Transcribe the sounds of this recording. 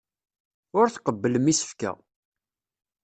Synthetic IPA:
ʊɾθqəbːələmisə̥fkæ̰

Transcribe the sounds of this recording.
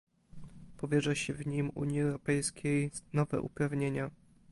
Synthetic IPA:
pɔvʲjɛʐɛɕɛvɲimṵɲjiɛwɾɔpɛjskʲejnɔvɛ̰ʔṵpɾavɲeɲa

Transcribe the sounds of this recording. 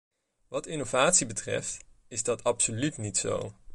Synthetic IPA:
ʋɑtɪnovaːtsibətrɛ̰ft | ɪzdɑtʰɑpsolytnitso̰w

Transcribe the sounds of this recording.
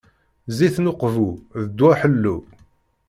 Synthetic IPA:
ziθnʊqvuðəd̪wæħəlːu

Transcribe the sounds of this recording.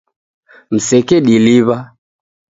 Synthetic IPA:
m̩sɛkɛɗiliβa

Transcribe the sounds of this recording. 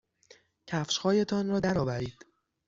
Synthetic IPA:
cʰæfʃhɒːjet̪ʰɒːnɾɒːd̪æɾɒːvæɾiːd̪̥

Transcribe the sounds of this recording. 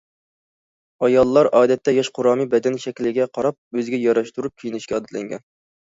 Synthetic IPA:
ɑjɑlˠːɑɾʔɑːd̪ɛt̪ʰːɛjɑʃqʰʊɾɑːmibɛd̪ɛnʃɛkʲlɪɡʲɛqʰɑɾɑp̚øzɪɡʲɛjɑɾɑʃt̪uɾup̚kʲʰijinɪʃkʲɛːd̪ɛt̪lɛ̰ŋɡʲɛ̰n

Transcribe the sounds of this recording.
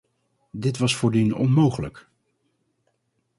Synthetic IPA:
dɪtʋɑsfʊːɹdinɔ̰nmowχələk

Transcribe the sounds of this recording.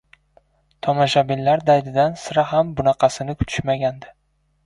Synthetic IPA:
t̪ʰɒmaʃabɪllːaɾd̪ajd̪ɪd̪ansɪɾaɦambʊnɑqʰɑsɪnɪkʰʊ̥t̪ʰʊ̥ʃmaɡʲand̪ɪ

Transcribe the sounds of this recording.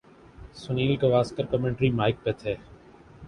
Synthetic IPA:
sʊniːlkeʋaːskəɾkəmẽɳʈɾiːmaːɪk̚peːt̪ʰeː

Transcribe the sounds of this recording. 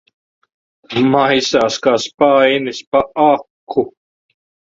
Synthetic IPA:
majsaːskaːspajnispaɑkʰːu

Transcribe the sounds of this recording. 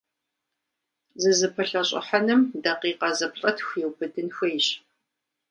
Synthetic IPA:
zɨzɨpʰɨɬɐɕʼʊ̰ħanɨmdɐqiːqɐzɐpɬʼɐtʰxʷewbʰɨdɨnxejɕ

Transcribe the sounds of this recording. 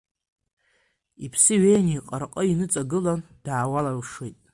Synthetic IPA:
ipʰsɨɥejniqʼarqʼəinɨt͡sʼaɡɨland̥aːwalarʂwejtʼ

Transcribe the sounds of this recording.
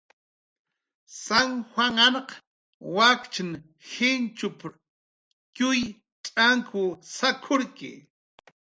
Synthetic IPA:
saŋhwaŋanq | wakt͡ʃɪn | hɪnt͡ʃʊp | kʊj | t͡ʃʼaŋkʰʊsakʰʊɾkɪ̰

